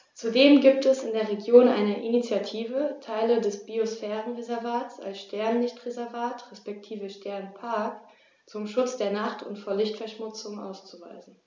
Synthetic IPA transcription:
t͡sudeːmɡiːptɛsɪndeːɐʁ̞eɡjoːnʔa̰ɪnəʔinit͡sjatʰiːvətʰaɪlədɛsb̥iosfɛːʁənʁezɛɐvaːtsa̰lsʃtʰɛɐnlɪçtʁezɛɐvaːtʁɛspɛk̚tʰiːvəʃtʰɛɐnpʰaɐk | t͡sʊmʃʊt͡sd̥eːɐnaχtʰʊ̰ntfoːɐlɪçtfɛɐʃmʊt͡sʊŋʔa̰ʊst͡suvaɪzn̩

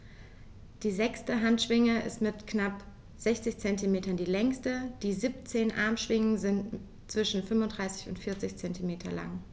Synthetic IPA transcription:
d̥iːzɛkstəɦantʃv̥ɪŋəɪ̰stmɪtknap | z̥ɛçt͡sɪçt͡sɛntimeːtɐndiːlɛŋstəd̥iːziːp̚t͡seːnʔa̰ɐmʃv̥ɪŋənzɪnt | t͡sv̥ɪʃn̩fʏnvʊntd̥ʁaɪsɪ̥çʊ̰ntfɪɐt͡sɪçt͡sɛntimeːtʰɐla̰ŋ

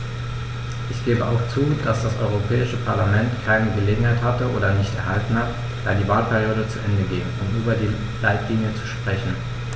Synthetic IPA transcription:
ʔɪçɡ̥eːbəʔaʊxt͡suːd̥asd̥asʔɔ̰ʏʁ̞opʰɛːɪʃəpʰaɐlamɛntkʰaɪnəɡəleːɡŋ̩haɪthatəʔoːdɐnɪçtɛ̰ɐɦaltn̩hat | d̥aːdiːvaːlpʰɛʁjoːdət͡suʔɛndəɡɪŋʊmtʔyːbɐdiː | laɪtʰliŋjət͡su̥ʃpʁ̥ɛçn̩

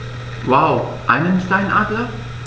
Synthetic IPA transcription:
wawʔã̰ɪ̃mə̃nstãɪ̃nʔa̰dlə

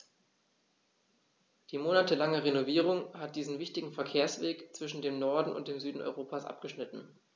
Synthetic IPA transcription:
d̥iːmoːnatəlaŋəʁenoviːʁ̞ʊŋhat̚d̥iːzn̩vɪçtɪɡŋ̩fɛɐkʰeːɐsv̥eːkt͡sv̥ɪʃn̩deːmnɔɐdn̩ʊ̰nt̚d̥eːmzyːdn̩ɔ̰ʏʁ̞oːpʰasʔa̰pɡ̥əʃnɪtn̩

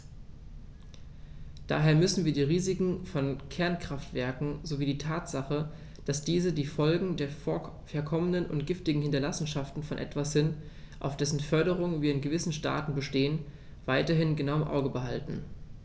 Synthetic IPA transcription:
d̥a̰ːɦeːɐmʏsn̩viːɐdiːʁ̞iːzɪkŋ̩fɔnkʰɛɐnkʁ̥aftv̥ɛɐkŋ̩zoviːdiːtʰaːtz̥aχə | d̥asd̥iːzədiːfɔlɡŋ̩deːɐ | fɛɐkʰɔmənənʊ̰ntɡ̥ɪftɪɡŋ̩hɪntɐlasn̩ʃaftn̩fɔnʔɛ̰tv̥asz̥ɪnt | ʔa̰ʊfd̥ɛsn̩fœɐɾəʁ̞ʊŋənviːɐɪnɡəvɪsn̩ʃta̰ːtn̩bəʃteːən | v̥aɪtɐɦɪnɡənaʊɪmʔa̰ʊɡəbəɦaltn̩

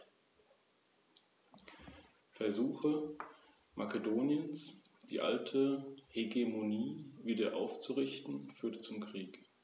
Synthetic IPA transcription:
fɛɐzuːxə | mʔakedoːnjəns | d̥ḭːʔa̰ltʰəheɡemoniːviːdɐ̰ʔa̰ʊft͡suʁɪçtn̩fyːɐtət͡sʊmkʁ̥iːk

